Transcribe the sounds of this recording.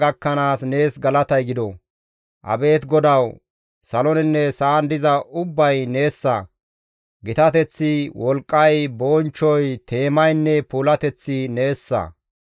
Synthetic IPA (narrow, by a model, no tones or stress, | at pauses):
ɡɐkːɐnaːsne̞ːsɡɐlɐt̪ɐjɡɪd̪ɔ | ʔɐ̰be̞ːt̪ɡɔd̪ɐw | sɐlɔnɪnːɛsaːnd̪ɪzɐʔʊbːɐjne̞ːsːɐ̰ | ɡɪt̪ɐt̪ɛt͡sːɪwʔɔlkʼːɐjboːnt͡ʃːɔjt̪ʰe̞ːmɐjnːɛpuːlɐt̪ɛt͡sːɪne̞ːsːɐ̰